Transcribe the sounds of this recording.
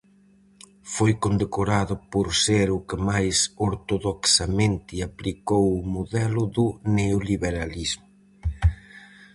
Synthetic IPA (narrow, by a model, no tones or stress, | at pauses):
fojkond̪ekoɾaðʊpoɾseɾʊkɪmajsoɾt̪oðoksamẽnt̪ɪaplikowʊmoðɛlʊðʊneoliβeɾalizmʊ